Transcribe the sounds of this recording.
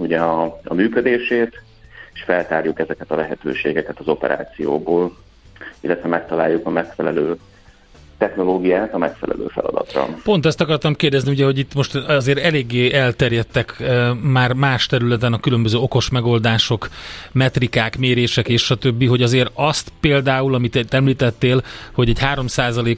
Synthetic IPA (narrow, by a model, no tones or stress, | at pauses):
uɟɛɒɒ̰myːkød̪eːʃeːt̪ | eʃfɛlt̪aːɾjukɛzɛkɛt̪ɒlɛɦɛt̪ø̰ːʃḛːɡɛkɛt̪ɒzo̞pɛ̰ɾa̰ːt̪sijo̰ːboːl | ilːɛt̪ʋɛmɛk̚t̪ɒla̰ːjːukɒmɛkfɛlɛløː | t̪ɛxno̞loːɡijaːt̪ɒmɛkfɛ̰lɛ̰lø̰ːfɛ̰lɒ̰d̪ɒ̰t̪rɒ̰po̞nt̪ɛst̪ɒkɒrt̪ɒmkeːrd̪ɛzniuɟɛɦo̞ɟit̪ːmo̞ʃt̪ɒzeːɾɛleːɡːeːɛlt̪ɛrjɛt̪ːɛkmaːrmaːʃt̪ɛɾylɛt̪ɛnɒkylømbøzøːo̞ko̞ʃmɛɡo̞ld̪aːʃo̞kmɛt̪rikaːkmeːɾeːʃɛkeːʃʃɒt̪ø̞bːiɦo̞ɟɒzeːɾɒst̪peːld̪aːulɒmit̪t̪ɛmliːt̪ɛt̪ːeːlho̞ɟɛɟhaːɾo̞msaːzɒleːk